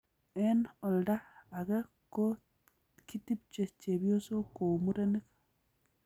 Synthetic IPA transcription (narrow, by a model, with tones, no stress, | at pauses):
ɛ˦nɔ˨lda˦a˨ɡɛ˦ | ko˦ | ki˦ti˦p̚t͡ʃe˨t͡ʃe˨bjo˦so˦ko˨mu˦ɾe˦ni˦k